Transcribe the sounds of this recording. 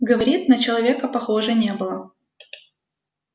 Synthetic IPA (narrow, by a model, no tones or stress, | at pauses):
ɡəvɐɾʲit̪̚nət͡ɕɪlˠɐvʲekəpɐxoʐɨnʲe̞bɨlˠə